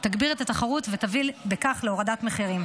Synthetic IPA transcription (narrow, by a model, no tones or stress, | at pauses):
t̪aɡbiʁet̪at̪aχaʁutvet̪avilbekaχleoʁad̪at̪meχiʁim